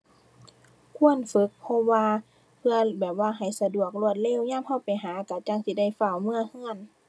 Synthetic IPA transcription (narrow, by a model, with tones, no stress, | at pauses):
kʰu˧˥ənfɯ˧˦˥k̚pʰɔ˧waː˧ | pʰɯ˧ɐbɛː˨˩p̚waː˧˩ɦa˨˩jsa˧du˨˩ək̚lu˧˩ət̪̚le˧˥˨wɲaː˧˥˨mha˧˩wpa˨jɦaː˨˦ka˧˩t͡ɕa˧˨ŋsiː˧˦da˧˩jfa˧˩˨wmɯ˧˨ɐhɯ˧˥˨ən